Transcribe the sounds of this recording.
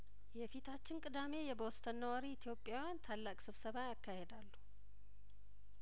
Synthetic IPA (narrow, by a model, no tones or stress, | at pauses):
jɛfit̪ʰat͡ʃːɪnkʼɨd̪ame̞jɛbost̪ʰənːəwaɾiːt̪ʰjo̞pʼjawjant̪ʰalːakʼsɨβsəβajakːahe̞d̪alːu